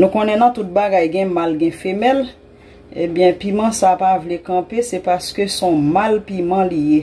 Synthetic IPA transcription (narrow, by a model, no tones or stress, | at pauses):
nũkõnɛ̃nɐ̃t̪ut̪̚baɡajɡɛ̃malɡɛ̃femɛl | ebjɛ̃pimɑ̃sapavlekɐ̃pesɛpaskøsɔ̃malpimɑ̃lije